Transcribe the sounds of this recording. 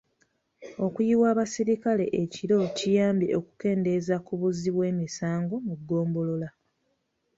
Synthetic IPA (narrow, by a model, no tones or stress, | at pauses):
o̞kujiwaːβasiɾikale̞ʔeciɾo̞cijaːmbiʔo̞ku̥ke̞ːnde̞zakuβuziβwe̞ːmisaːŋɡo̞muɡːo̞ːmbo̞lo̞la